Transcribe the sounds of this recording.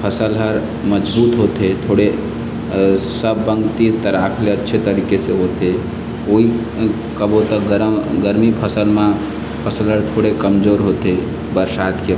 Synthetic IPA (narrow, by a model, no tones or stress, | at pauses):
pʰəsəlɦəɾ | məd͡ʒbuːt̪ɦoːt̪et̪ʰoːɽe | səbːəŋɡt̪it̪əɾaːkʰleətːʃʰet̪əɾiːkeseɦoːt̪e | oːɦi | kəbot̪əɡəɾɡəɾmipʰəsəlmã | pʰəsəlɦəɾt̪ʰoːɽekəmd͡ʒoːɾɦoːt̪e | bəɾsaːt̪ke